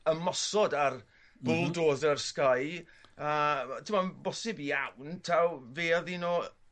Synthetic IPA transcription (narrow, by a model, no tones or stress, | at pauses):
əmɔsɔdar | b̥ʊlˠdoːðərskaj | ətʰɪmɔbɔsɪbijawntʰawveːɔðinoː